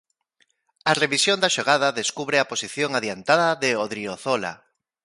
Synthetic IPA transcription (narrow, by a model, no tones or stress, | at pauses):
areβisjond̪aʃoɣ̞aðaðeskuβɾeaposiθjoŋaðjant̪aðaðeoðɾioθola̰